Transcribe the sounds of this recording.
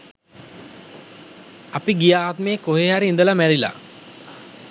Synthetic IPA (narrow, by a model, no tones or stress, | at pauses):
apiɡijaːt̪meːkoɦeːɦaɾiind̪əlamæɽila̰